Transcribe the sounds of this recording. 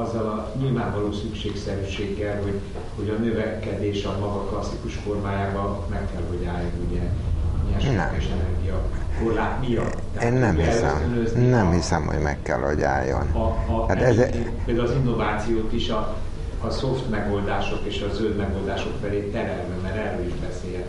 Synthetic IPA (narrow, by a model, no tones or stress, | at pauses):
ɒzːɒlɒ | ɲilvaːɱvɒloːsykʃeːksɛɾyʃeːɡːɛlho̞ɟ | ho̞ɟɒnøvɛkɛd̪eːʃɒmɒɡɒklɒsːikuʃfo̞rmaːjaːbɒmɛkːɛlɦoɟaːlnonuɟɛmiɛʃɛkɛʃɛnɛrɡijɒkorlaːt̪mijɒ̰t̪ːɛeːnːɛmhiɛlsɛsmønøzinɛmhisɛmho̰ɟmɛ̰kːɛ̰lɒɟa̰ːjːo̰nːaɛz | peːld̪aːlɒzinːo̞vaːt̪sijoːt̪iʃɒː | so̞ft̪mɛɡo̞ld̪aːʃo̞keːʃɒzøld̪mɛɡo̞ld̪aːʃo̞kfɛleːt̪ɛɾɛlbɛmɛɾɛrøliʒbɛseːɛ